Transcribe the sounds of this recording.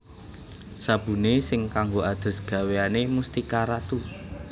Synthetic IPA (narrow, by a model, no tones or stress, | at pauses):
sab̥ṳnesɪŋkaŋɡoad̪̥ə̤sɡ̥ä̤weanemust̪ikaɾat̪u